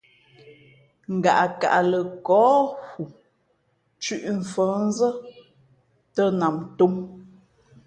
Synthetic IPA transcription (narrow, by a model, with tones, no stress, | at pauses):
ŋ̩˨ɡa̰˨ʔa˨ka̰˨ʔlə˨kɔː˨˦hu˨ | t͡ʃʉ˦ʔɱ̩˨fəː˨˦n̩˦zə˦ | tə˦na˨mto˦m